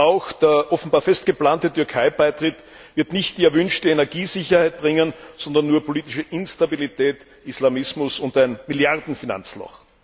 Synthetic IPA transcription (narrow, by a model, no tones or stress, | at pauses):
ʔaʊxd̥eːɐʔɔfn̩baːɐfɛst̚ɡ̥əplaːntətʏɐkʰaɪb̥aɪtʁ̥ɪt | vɪɐtnɪçt̚d̥iːɛɐvʏnʃtəenɛɐɡiːzɪçɐhaɪt̚b̥ʁɪŋənz̥ɔndɐnːuːɐpʰoliːtɪʃəʔɪnstabilitʰɛːt | islamɪsmʊsʊntæɪnmɪljaʁdn̩fina̰nt͡slɔ̰x